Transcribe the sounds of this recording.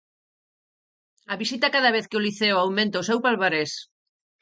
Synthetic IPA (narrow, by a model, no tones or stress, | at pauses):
aβisit̪akaðɐβeθkeoliθeoawmẽnt̪aosewpalβaɾes